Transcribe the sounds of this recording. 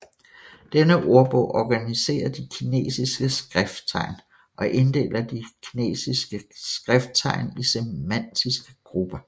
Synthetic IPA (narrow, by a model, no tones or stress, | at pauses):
d̥enəʔo̝ɐb̥ɔʊ̰ʔɒɡ̥ænise̝̰ːɐd̥ikʰine̝̰ːsisɡ̥əsɡ̥ʁɛfd̥t͡sʰɑ̈ɪ̰n | ʔɒ̽ʔe̝nd̥e̝̰ːlɐd̥ikʰine̝̰ːsisɡ̥əsɡ̥ʁɛfd̥̚t͡sʰɑ̈ɪnisemæn̰d̥isɡ̥əɡ̥ʁub̥ɐ